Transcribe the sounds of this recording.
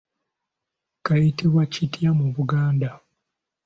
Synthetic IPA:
kajitiβwacitjamuβuɡaːnda

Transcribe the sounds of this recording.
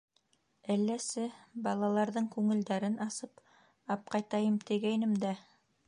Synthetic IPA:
ælːæsɘbɑlˠɑlˠɑɾðɤɴkʉŋɘ̆ld̪æɾɘnɑsɤp | ɑp̚qɑjt̪ɑjɤmt̪ɘ̆ɡæjnɘmd̪æ

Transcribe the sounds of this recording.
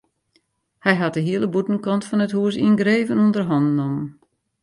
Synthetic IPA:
hɛjɦat̚dəɦiələbutən̩kɑntfɔnəthuəs̬iənɡɾeːvənundərɦɔndnomən

